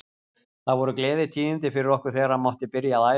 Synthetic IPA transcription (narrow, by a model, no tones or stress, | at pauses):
θaðvɔɾʏklɛːðɪt̪ʰiːɪnt̪ɪfɪɾɪɾɔhkʏɾ̥θɛːɣaɾamɔwht̪ɪpɪɾjaðaːj